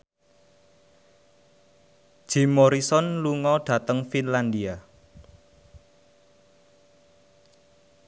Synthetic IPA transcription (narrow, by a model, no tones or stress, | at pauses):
ʒ̥imɔɾisɔnluŋɔɖ̥ä̤t̪əŋfinland̪ia